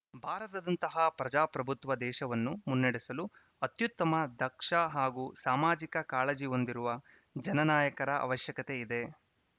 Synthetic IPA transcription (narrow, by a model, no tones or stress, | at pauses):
bʱaːɾɐt̪ɐd̪ɐnt̪ɐɦɐpɾɐd͡ʒaːpɾɐbʱut̪ʋɐd̪ɛːʃɐʋɐnːumunːɐɽesɐlu | ɐt̪jut̪ːɐmɐd̪ʱɐkʂɐɦaːɡuːsaːmaːd͡ʒikɐkaːlɐd͡ʒio̞nd̪iɾuʋɐ | d͡ʒɐnɐnaːjɐkɐɾɐʔɐ̰ʋɐʃjɐkɐt̪e̞id̪e̞